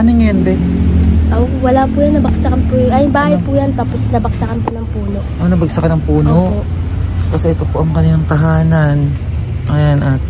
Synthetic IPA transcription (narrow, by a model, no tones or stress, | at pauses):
ʔɐnoŋnd̪ɛʔɐwɐlaːpuːjɐŋnɐbɐksɐkɐnpuʔɐjbaːhɐjpujɐnt̪aːposnɐbɐksɐkɐnponɐŋpuːno̞ʔʔonɐbɐɡ̚sɐkɐnɐŋpuːnoʔoʔ | kɐsɛʔɛt̪opoʔɐŋkɐniːnɐŋt̪ɐɦaːnan | ɐjanʔat̪̚